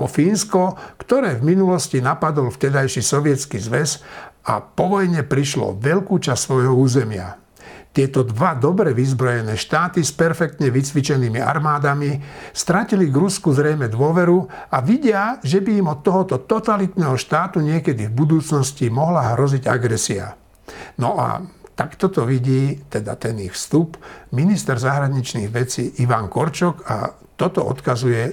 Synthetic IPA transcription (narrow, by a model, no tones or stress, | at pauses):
pɔfiːnskɔkt̪ɔɾɛːvminulɔscinapad̪ɔlft̪ɛd̪ajʃisɔʋɪɛt͡skizʋɛza̰pɔʋɔjɲɛpɾiʃlɔ̰ʋɛʎkuːt͡ʃast̪sʋɔjɦɔuːzɛmɪa̰ | t̪ɪɛt̪ɔd̪ʋad̪ɔbɾɛʋizbɾɔjɛnɛːʃt̪aːt̪ispɛɾfɛk̚t̪ɲɛʋit͡sʋit͡ʃɛniːmia̰ɾmaːd̪amist̪ɾaciliɡɾuskuzɾɛjmɛd̪ʋʊɔʋɛɾuaʋiɟɪaʒɛbiimɔt̪ːɔɦɔt̪ɔt̪ɔt̪alit̪nɛːɦɔʃt̪aːt̪uɲɪɛkɛd̪ivbud̪uːt͡snɔscimɔɦlaɦɾɔziɟa̰ɡɾɛsia̰ | nɔʔa̰t̪akt̪ɔt̪ɔʋiɟiːt̪ɛd̪a̰t̪ɛnixfst̪upminist̪ɛɾzaɦɾaɲit͡ʃniɣʋɛt͡siːʔiʋaŋkɔɾt͡ʃɔka̰ | t̪ɔt̪ɔ̰ʔɔ̰t̪kazujɛ